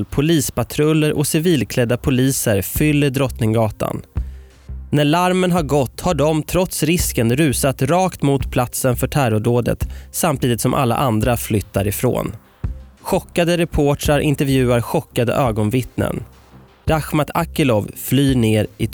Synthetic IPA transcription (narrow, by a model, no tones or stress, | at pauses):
lpʰʊliːspat̪ʰɾɵlːəɾʔɔ̰sɪviːlkʰlɛd̪ːapʰʊliːsəɾfʏlːəɾɖɾɔt̪nɪŋɡɑːt̪a̰n | næɭaɾmənɦaɾɡɔt̪ːhaɖɔmt̪ʰɾɔt̪sɾɪskənɾʉ̟ːsat̪ɾɑːkt̪mut̪pʰlat̪sənfœʈʰæɾɔɖoːd̪ə̰t̪samt̪ʰiːd̪ɪt̪sɔmʔa̰lːa̰ʔand̪ɾaflʏt̪ːaɾɪfɾo̰ːn | ɧɔkːad̪əɾɛpʰoːʈɾaɾʔɪ̰nt̪ɛɾvjʉ̟ːaɾɧɔkːad̪ə̰ʔøːɡɔnvɪt̪nə̰n | ɾaxmat̪ʰakːəlɔvflyːɳeːɾʔɪ